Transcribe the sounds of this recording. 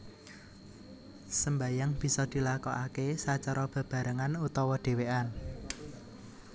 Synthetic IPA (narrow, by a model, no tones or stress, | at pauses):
səmbajaŋb̥i̤sɔd̪̥i̤lakɔʔakesat͡ʃaɾɔb̥a̤b̥a̤ɾəŋanut̪ɔwɔɖ̪̥e̤wean